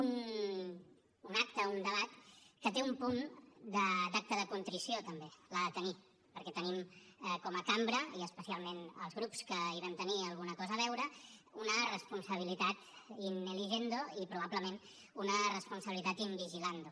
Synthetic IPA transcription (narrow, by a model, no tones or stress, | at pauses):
un | unak̚t̪əund̪əβat̪kət̪eumpund̪əd̪ak̚t̪əðəkunt̪ɾisiot̪əmbelaðət̪əni | pəɾkɛt̪ənimɛkɔməkambɾəiəspəsialˠmenə̰lˠzɣɾupskəiɾənt̪əniəlˠɣunəkɔzəːβɛwɾəunərəspunsəβ̞ilit̪at̪inːəliʒend̪oipɾuβ̞abləmen | unərəspunsəβilit̪at̪imbiʒiland̪u